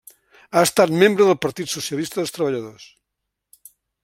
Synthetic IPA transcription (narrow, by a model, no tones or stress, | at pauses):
aest̪at̪mẽmbɾoðəlpaɾt̪it̪soθjalist̪aðelst̪ɾaβ̞aʎaðos